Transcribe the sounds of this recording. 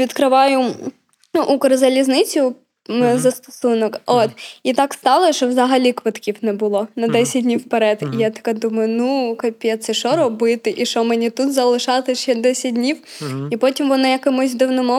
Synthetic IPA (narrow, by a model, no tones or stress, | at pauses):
ʋʲit̪kɾɪʋɑjʊ | ukɾɐzɐlʲiznɪt͡sʲʊ | zɐst̪ɔ̥sunɔkot̪it̪ɑkst̪ɑlˠɐʃɔvzɐɦɐlʲikʋɐt̪kʲifnɛbʊlˠonɐd̪ɛsʲɪt̚ʲdʲnʲiwpɐɾɛt̪ijat̪ɐ̥kad̪umɐjʊnukɐpʲɛt̪sɛʃɔɾɔbɨt̪ɪʔiʃɔmɛnʲit̪ut̪zɐlˠɪʃɑt̪ɪt͡ɕːɛd̪ɛsʲɪt̚ʲdʲnʲiw | ipotʲimʋɔnɐjɐkɐmuzʲd̪ɨwnɔmɔ